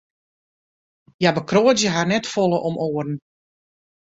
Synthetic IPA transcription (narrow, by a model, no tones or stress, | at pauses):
jabəkroːəzjəɦarnɛtfolˠəʔɔmʔoːərn̩